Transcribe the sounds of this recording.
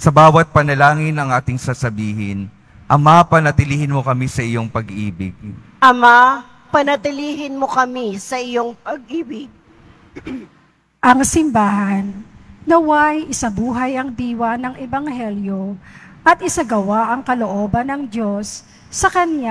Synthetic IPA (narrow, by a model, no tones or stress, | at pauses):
sɐbaːwɐt̪̚pɐnɐlaːŋɪnɐŋʔaːt̪ɪŋsasɐbiːhɪ̰n | ʔɐmapɐnɐt̪ɪlihɪnmo̞kɐmisɐʔɪjo̞ŋpɐɡʔḭːbɪ̰ɡ̥̚ | ʔɐma | pɐnɐt̪ɪliːɦɪnmokɐmisɐʔɪjoŋpɐɡ̚ʔiːbɪɡ̚ | ʔɐŋsɪmbaːhɐnːɐwajʔɪsɐbuːɦɐjɐŋd̪iːwɐnɐŋʔɛbɐŋhɛljo̞ʔɐt̪ɪsɐɡɐwaʔɐŋkɐloʔo̞ːbɐnːɐŋd̪o̞sː | ɐkɐnja